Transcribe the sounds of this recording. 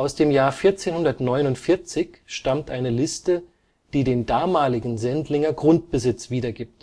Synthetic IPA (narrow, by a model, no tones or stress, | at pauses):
ʔaʊsd̥eːmjaːɐfɪɐt͡seːnhʊndɐtnɔʏnʊntfɪɐt͡sɪçʃtamtʔaɪnəlɪstə | d̥iːdeːndaːmaːlɪɡŋ̩zɛntlɪŋɐɡʁʊnt̚b̥əzɪt͡sv̥iːdɐɡiːp̚t